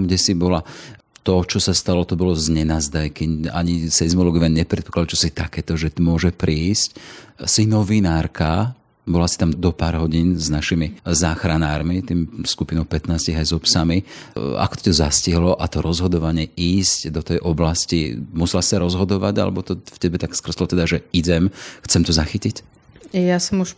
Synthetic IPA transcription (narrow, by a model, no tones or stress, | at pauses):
mɡɟɛsibɔla | t̪ɔt͡ʃɔsast̪alɔt̪ɔbɔlɔzɲɛnaːzd̪ajkia̰ɲisɛzmɔlɔɡiʋɛnɲɛpɾɛt̪pɔ̥klad̪ut͡ʃɔsit̪akɛːt̪ɔʒɛt̪ɔmʊɔʒɛpɾiːscsinɔʋinaːɾka | bɔlasi̥t̪amd̪ɔpaːɾɦɔɟiːnznaʃimizaːxɾanaːɾmit̪iːmskupinɔʊpɛt̪naːsciɣajzɔpsamia̰kɔ̥t̪ɔ̥t̪ɔzasciɦlɔʔat̪ɔɾɔzɦɔd̪ɔʋaɲɛiːscd̪ɔt̪ɛjʔɔblascimusɛlasi̥saɾɔzɦɔd̪ɔʋaɟa̰lɛ̰bɔt̪ɔfcɛbɛt̪akskr̩z̥lɔt̪ɛd̪aʒɛiɟɛmxt͡sɛmt̪ɔzaxicic | jasɔmuʃ